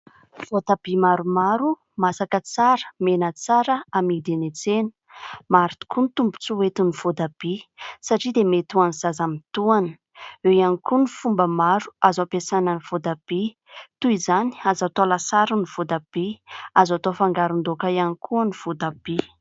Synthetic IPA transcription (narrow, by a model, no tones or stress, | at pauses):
v̥od̪ab̥imaɾumaɾu | masakət͡saɾə̥menət͡saɾəamid̪enet͡senə̥ | maɾit̪i̥kʰunt̪umbu̥t͡suwet̪univ̥od̪ab̥isaʈ͡ʂid̪emet̪uanizazamit̪uanə̥ | ewjanikunifumbəmaɾu̥azapesananiv̥od̪ab̥i | t̪uizani̥azat̪olasaɾuniv̥od̪ab̥eazat̪ofaŋɡaɾund̪okaijanikʰuəniv̥od̪ab̥i